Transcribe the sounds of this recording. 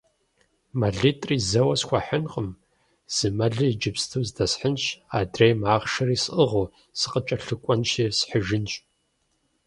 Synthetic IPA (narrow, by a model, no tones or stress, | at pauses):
mɐɮitʼriːzɐwɐsxʷaħənqʼəm | z̥ɨmɐɮɨid͡ʒɪpstʰɨwzdɐsħənɕaːdrejmaːʁʃɐɾiːsʔəʁo | sɨqʼət͡ʃʼɐɬɨkʷʼɐnʃisħəʒɪnɕʼ